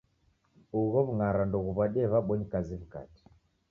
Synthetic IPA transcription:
uɣɔβuŋaɾandɔɣuβaɗɛβaɓɔɲikaziβuka̰ti̥

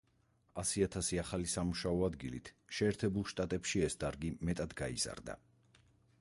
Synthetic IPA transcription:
asiat̪ʰasiaχalisamuʃaɔad̪ɡilḭt̪ʰʃɛːɾt̪ʰɛbulˠʃt̪ʼat̪ʼɛpʃiɛsd̪aɾɡimɛt̪ʼad̪ɡaḭz̥a̰ɾd̪a̰

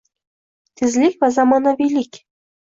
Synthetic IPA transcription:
t̪ʲɘzʲlʲikʲvɑzɑmɑnɤ̆vʲelʲikʲ

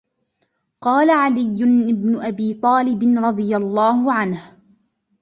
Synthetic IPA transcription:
qɑːlaʕalɪjːʊnʔɪbnʊʔabiːt̪ˤɑːlɪbɪnɾˤɑd̪ˤɨjalˤːɑːhʊʕanh

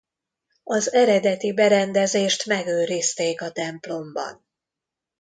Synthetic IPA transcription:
ɒzɛɾɛd̪ɛt̪ibɛɾɛnd̪ɛzeːʃt̪mɛɡøːɾist̪eːkɒt̪ɛmplo̞mbɒ̰n

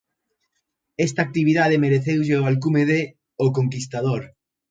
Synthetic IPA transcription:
est̪aːk̚t̪iβiðaðemeɾeθewʎeoalk̬umeðe | okoŋkist̪aðoɾ

